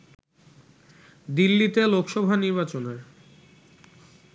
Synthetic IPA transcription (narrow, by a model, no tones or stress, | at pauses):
d̪ilːit̪elokʃɔbʱaniɾbat͡ɕoneɾ